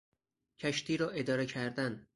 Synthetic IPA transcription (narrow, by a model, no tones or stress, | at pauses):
cʰæʃt̪ʰiːɾɒːʔe̞d̪ɒːɾecʰæɾd̪æn